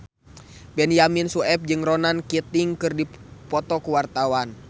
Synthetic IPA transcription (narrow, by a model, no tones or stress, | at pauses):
bɛnjaminsuɛp̚d͡ʒɨŋrɔnankit̪iŋkɨrdipɔt̪ɔkuwart̪awan